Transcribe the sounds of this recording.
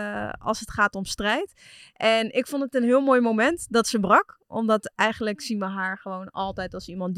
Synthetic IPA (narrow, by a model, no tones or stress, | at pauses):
ɑ̰lˠsətχaːtɔmstrɛjt | ʔɛnɪkfɔndətənɦɪːlˠmoːjmowmɛntdɑtsəbrɑkʔɔ̰mdɑtɛjχəndləksinʋəɦaːɹχəʋownɑlˠtɛjtɑlˠsimɑn